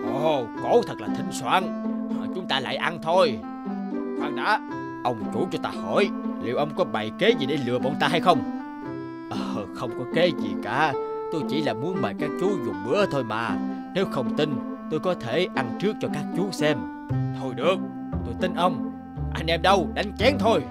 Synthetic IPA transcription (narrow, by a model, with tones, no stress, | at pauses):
ʔɔ˨˩ko˧˦t̪ʰə˨˩k̚laː˨˩t̪ʰï˨˩ŋ̟swa̰ː˧˨nʔəː˨˩t͡ɕʊ˨˦ŋ͡mt̪aː˧la̰ː˧˨jʔa˧nt̪ʰo˧j | hwaː˧˩ŋɗa̰ː˨˦˥ | ʔə˧wŋ͡mt͡ɕu˧˦t͡ɕɔ˧t̪aː˧hɔ̰˧˩jlḭ˨˩əwʔə˧wŋ͡mkɔ˨˦ɓa˨˩jke˨˦zi˨˩ɗe˨˩lɨ̰˨əɓɔ˧˩nt̪aː˧ɦa˧jxə˧wŋ͡m | ʔəː˨˩xə˧wŋ͡mkɔ˨˦ke˨˦zḭ˨˩kaː˧˩˦t̪o˧jt͡ɕḭ˧˩laː˨˩mu˨˦ənməː˨˩jkaː˦˥k̚t͡ɕu˨˦zu˨˩ət̚ɓɨ̰˧˥˦ət̪ʰo˧jma̰ː˨˩ne˨˦wxə˧wŋ͡mt̪ï˧nt̪o˧jkɔ˨˦t̪ʰe˧˩ʔa˧nt͡ɕɨ˦˥ək̚t͡ɕɔ˧kaː˦˥k̚t͡ɕu˨˦sɛ˧m | t̪ʰo˧jɗɨ˨˩ək̚ | t̪o˧jt̪ï˨˦ŋ̟ʔə˧wŋ͡m | ʔa˧jŋ̟ʔɛ˧mɗə˧wɗa˨˦jŋ̟t͡ɕɛ˨˦˥ŋt̪ʰo˧j